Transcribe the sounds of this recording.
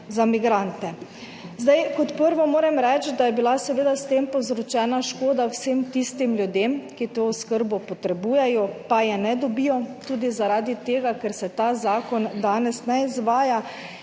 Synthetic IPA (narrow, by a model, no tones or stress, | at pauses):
zamiɡɾant̪ɛ | zd̪ajkɔt̪pəɾʋɔmoːɾɛmɾɛt͡ʃd̪ajɛbilasɛʋeːd̪ast̪eːmpɔwzɾɔt͡ʃɛːnaʃkoːd̪awsemt̪ist̪imljud̪eːmkit̪oːskəɾbɔpɔt̪ɾɛbuːjɛjɔpajɛnɛd̪ɔbijɔt̪uːd̪izaɾaːd̪it̪eːɡakɛɾsɛt̪aːzaːkɔnd̪aːnɛsnɛizʋaːja